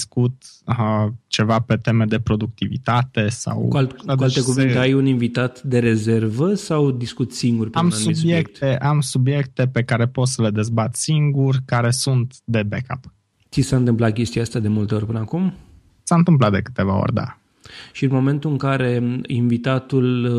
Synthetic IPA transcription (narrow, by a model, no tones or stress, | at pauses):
skut̪ | t͡ʃe̞vape̞t̪e̞me̞d̪e̞pɾo̞d̪uk̚t̪ivḭt̪at̪e̞sa̰wuakualt̪ekuvint̪eajuninvit̪at̪d̪e̞ɾe̞ze̞rvəsawd̪iskut̪siŋɡurpeamasuibsjekt̪eʔamsubje̞kt̪e̞pe̞kaɾe̞po̞t̪səle̞d̪e̞zbat̪siŋɡurʲkaɾe̞sunt̪d̪e̞beka̰p | t̪sisaɨnt̪ɨmplat̪̚kʲe̞st̪iaast̪ad̪e̞mult̪e̞o̞rʲpɨnəakum | saɨnt̪ɨmp̬lat̪̚d̪e̞kɨ̥t̪e̞va̰o̰rʲd̪a̰ | ʃiɨnmo̞mẽ̞nt̪uɨŋkaɾe̞invit̪at̪ul